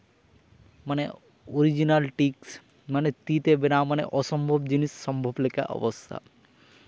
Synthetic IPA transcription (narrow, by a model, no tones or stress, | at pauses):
mane | oɾid͡ʑinalʈiks | manet̪it̪ebenamaneʔɔʃɔmbʱobd͡ʑiniʃːɔmbʱoblekʰa̰ʔɔ̰bost̪ʰa̰